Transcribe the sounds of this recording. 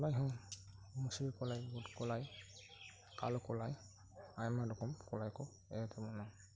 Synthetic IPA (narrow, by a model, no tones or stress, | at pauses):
lajɦɔ̃ | musiikɔlajbudkɔlaj | ka̰lɔkɔlaj | ajmadɔkɔmkɔlajkɔ | ɛtʰɛmuna